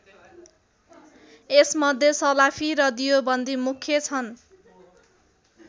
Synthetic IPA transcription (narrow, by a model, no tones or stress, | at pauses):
esmʌd̪ʱjesʌlapʰiɾʌd̪ijobʌnd̪imukʰːjʌt͡sʰʌn